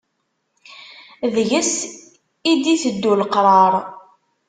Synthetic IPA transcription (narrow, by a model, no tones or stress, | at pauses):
ðʝəs | id̪iθəd̪ːulqɾˤɑɾˤ